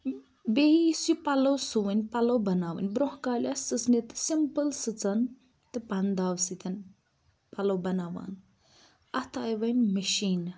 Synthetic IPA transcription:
beɦisupɐlɐwsuʋɐnʲpɐlɐwbɐnaːʋɐ̰nʲbɾoɦkaːlʲast͡sɨsnet̪ɨ̥simpɨlsɨt͡sɐn | t̪ɨpand̪aːwsit̪ɐn | pɐlɐwbɐnaːʋa̰ːn | ɐt̪ʰaːjʋɐnʲmɐʃiːn

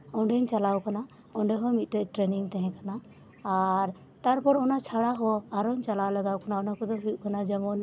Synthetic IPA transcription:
ɔɳɖɛɲt͡ʃalawkana | ɔɳɖɛɦɔmit̪̚ˀt̪ɛʈɾɛniŋt̪ɛɦɛ̃kanaː | ɾ | t̪aɾpɔɾɔnat͡ʃʰaɽaɦɔaɾɔɲt͡ʃalawlaɡawkanaɔnakɔd̪ɔɦuʔ̚kanad͡ʒəmɔn

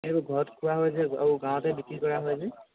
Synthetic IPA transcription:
ibuɡʱɔɹɔtkʰuwaɦojzɛa̰ɹuɡãw̃ɔ̃tɛbikɹikɔɹaɦojzɛ

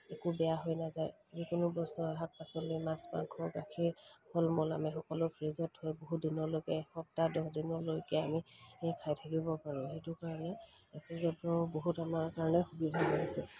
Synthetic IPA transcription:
ekubɛjaɦojnazaj | zikʊnʊbɔsnɔaɦat̚pasɔlojmãspa̰ŋkʰɔɡakʰiɹpʰɔlmɔla̰mixɔkɔlɔpʰɹizɔthojboɦutdinɔlojkɛxɔp̚tadɔɦdinɔlojkɛamiɛjkʰajtʰakibɔpaɹʊ̃xetʊkaɹɔnɛ | pʰɹizɔtɔboɦutamaɹkaɹɔnɛxubidʱapaɦisɛ

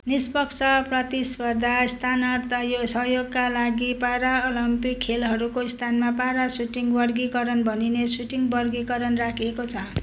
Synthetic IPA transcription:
nispʌkt͡sʰʌprʌt̪ispʌd̪ʱaist̪ʰanʌrt̪ajosʌɦjoɡkːalaɡipaɾaolʌmpikʰːelɦʌɾukoist̪ʰanmapaɾasuʈiŋbʌrɡikʌɾʌnbʱʌninesuʈiŋbʌrɡikʌɾʌnrakʰiekot͡sʰʌ

